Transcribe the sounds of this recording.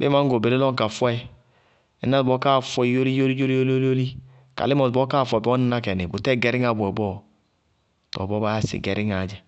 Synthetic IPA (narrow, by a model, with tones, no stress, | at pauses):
bḛ˦ma˦ɡo˨be˨ɾe˦lɔ˦ŋ˦ka˨fɛ˦ | i˨na˦˨bɔ˦ka˦˨fwɛ˦˨˦jo˦li˦jo˦li˦d͡ʒo˦li˦o˦lo˦lo˦li˦ | ka̰˨li˦mɔ˨bɔ˦kaː˦˨fʷɛ˨bɔ˦n˦na˦kɛ˨ne˨bo˨tɛ˦˨ɡɛ˨ɾi˦ŋa˨bu˨ɔ˨bɔ˦˨ | tɔ̰˨bɔ˦ba˦ja˦sḭ˨ɡɛ˨ɾi˦ŋa˨d͡ʒa˨